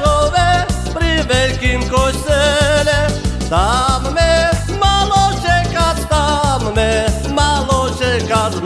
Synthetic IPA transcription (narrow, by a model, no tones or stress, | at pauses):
oʋɛpɾiʋɛlkimkojsɛlɛt̪ammɛ | malot͡ʃɛkat̪t̪ːammɛ | malɔt͡ʃɛkat̪